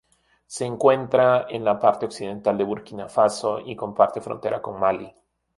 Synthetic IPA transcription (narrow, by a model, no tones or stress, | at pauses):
se̞ːŋkwe̞nt̪ɾaenlapaɾt̪eo̞ksið̞e̞nt̪ald̪e̞βuɾkinafasoʔiko̞mpaɾt̪e̞fɾo̰nt̪eɾako̞ŋmali